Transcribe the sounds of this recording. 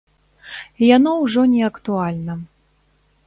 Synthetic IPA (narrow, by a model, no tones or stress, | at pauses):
ijanɔwʐɔnʲɛɐkt̪ualʲnɐ